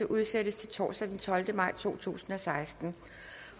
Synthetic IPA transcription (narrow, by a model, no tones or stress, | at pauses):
əʔuð̞ˠsed̥əst͡sʰe̝lt͡sʰɒ̰ːsæd̥ent͡sʰɒ̽ld̥əmɑ̈ɪ̰t͡sʰo̝̰ːt͡sʰṵːsn̩ɒ̽sɑ̈ɪsd̥n̩